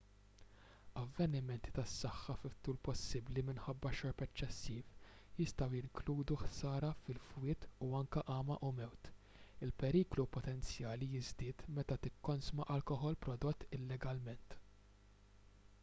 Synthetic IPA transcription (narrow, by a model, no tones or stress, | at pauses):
ɐvːɛnɪmɛnt̪i̥t̪ɐsːɐħːɐfɪt̪ːuːlpɔsːɪblimɪnħɐbːɐʃɔɾpɛt͡ʃːɛsːiːf | jɪst̪ɐwjɪŋkluːd̪uħsɐːɾɐfɪlfwɪːt̪uɐŋkɐʔɐːmɐʔʊmɛwt̪ | ɪlpɛɾiːklupɔt̪ɛnt͡sjɐːlijɪzd̪ɪːt̪mɛt̪ɐt̪ɪkːɔnsmɐʔɐlkɔħɔlpɾɔd̪ɔt̪ːɪlːɛɡɐlmɛnt̪